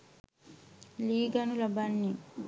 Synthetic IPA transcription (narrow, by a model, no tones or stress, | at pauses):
liːɡɐnulɐbɐnːi